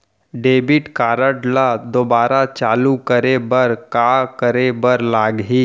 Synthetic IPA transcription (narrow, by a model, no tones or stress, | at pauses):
ɖeːbɪʈkaːɾəʈlad̪oːbaːɾat͡ʃaːlukəɾebəɾkaːkəɾebəɾlaːɡɦiː